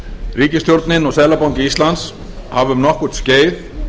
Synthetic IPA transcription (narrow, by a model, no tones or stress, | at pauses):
riːcɪst̪ʰjowɾt̪nɪnɔɣsɛlapawɲcɪist̪lans | havʏmnɔhkuːt̪sceːjð